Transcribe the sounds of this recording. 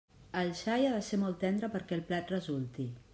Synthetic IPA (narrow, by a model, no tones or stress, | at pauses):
əlʃajaðəsemɔlˠt̪ːɛnd̪ɾəpəɾkɛlˠplat̪rəzulˠt̪i